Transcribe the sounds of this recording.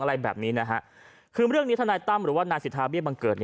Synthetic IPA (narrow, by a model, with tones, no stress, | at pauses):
ŋʔa˧ɾa˧jbɛ̰ː˨˩p̚niː˦˥na˦˥kʰa˦˥ʔ | kʰɯː˧ɾɯ˥˩əŋniː˦˥t̪ʰa˧naː˧jt̪a˥˩mɾɯː˩˦waː˥˩naː˧nsi˨˩t̪̚ʰːaː˧bi˥əba˧ŋkɤː˨˩t̪̚ni˧˩